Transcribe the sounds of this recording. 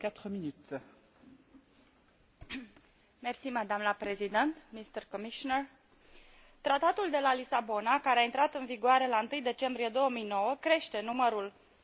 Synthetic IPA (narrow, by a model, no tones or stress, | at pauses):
kat̪χəminyt̪ | mersimad̪amləpɾe̞zid̪ent̪mist̪ərkomiʃonər | t̪ɾat̪at̪uld̪e̞lalisabo̞nakaɾeaint̪ɾat̪ɨnviɡʊaɾe̞laɨnt̪ɨjd̪e̞t͡ʃe̞mbɾije̞d̪o̞wəmijno̞wəkɾe̞ʃt̪e̞numəɾul